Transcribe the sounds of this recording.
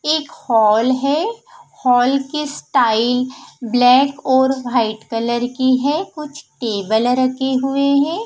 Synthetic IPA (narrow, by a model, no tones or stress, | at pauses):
eːkhɔːlɦɛhɔːlkesʈaːɪlblɛːkɔːɾʋaːɪʈkɐləɾkiɦɛkʊt͡ʃʰʈeːbəlɾɐkʰeɦʊeɦɛ̃ː